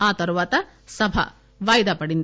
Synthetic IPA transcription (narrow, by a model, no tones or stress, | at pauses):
aːt̪ɐɾuʋaːt̪ɐ | sɐbʱɐ̰ | ʋaːjd̪ɐpɐɽind̪